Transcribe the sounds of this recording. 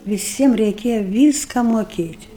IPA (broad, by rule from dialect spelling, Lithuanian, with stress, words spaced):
ʋʲɪˈsʲiɛm rʲɛɪˈkʲeːjɛ ˈʋʲiːskɐ moːˈkʲeːtʲ